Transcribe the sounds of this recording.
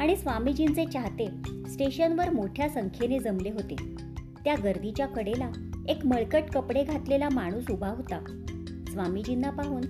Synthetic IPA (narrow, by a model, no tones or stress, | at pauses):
aɽ̃isʋamid͡ʑint͡set͡ɕaɦt̪esʈeɕənʋəɾmoʈʰjasəŋkʰjened͡zəmleɦot̪e | t̪jaɡəɾd̪it͡ɕjakəɽela | ekməɭkəʈkəpɽeɡʱat̪lelamaɽ̃uːsubʱaɦot̪a | sʋamid͡ʑinːapaɦuːn